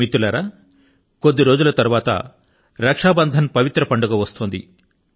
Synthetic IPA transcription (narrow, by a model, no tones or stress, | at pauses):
it̪ːulɐɾaː | ko̞d̪ːiɾoːd͡ʒulɐt̪ɐɾuʋaːt̪ɐ̰ | ɾɐkʂaːbɐnd̪ʱɐnpɐʋit̪ɾɐpɐɳɖuɡɐʋɐst̪oːnd̪ḭ